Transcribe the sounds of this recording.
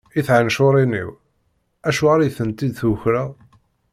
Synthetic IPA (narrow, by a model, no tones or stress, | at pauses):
iθʕanʃoɾˤinḭw | æʃʊʁaɾjθənt̪id̪θʊçɾa